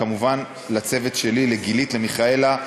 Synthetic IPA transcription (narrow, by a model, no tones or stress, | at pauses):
amuvan | lat͡se̞ve̞tʃe̞lileɡilitle̞miχae̞la